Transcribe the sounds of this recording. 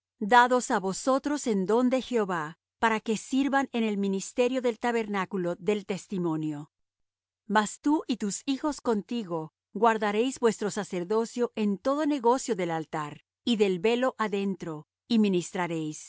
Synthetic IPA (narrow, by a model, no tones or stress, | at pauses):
d̪aðo̞saβo̞so̞t̪ɾo̞se̞nd̪o̞nd̪e̞xe̞oβa | paɾake̞siɾβane̞ne̞lminist̪e̞ɾjo̞ðe̞lt̪aβe̞ɾnakulo̞ðe̞lt̪e̞st̪imo̞njo̞ | mast̪uʔit̪usixo̞sko̞nt̪iɣo̞ | ɡwaɾðaɾe̞jzbwe̞st̪ɾo̞sase̞ɾðo̞sjo̞ʔe̞nt̪o̞ðo̞ne̞ɣo̞sjo̞ðe̞lalt̪aɾ | iðe̞lβe̞lo̞ʔaðe̞nt̪ɾo̞ | iminist̪ɾaɾe̞js